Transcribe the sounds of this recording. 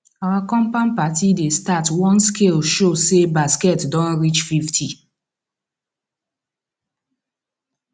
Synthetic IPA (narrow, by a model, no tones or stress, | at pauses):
awakɔ̃mpãnpatidestatwɔ̃nskʰelʃosebaskɛtdɔ̃nɹit͡ʃfiftʰi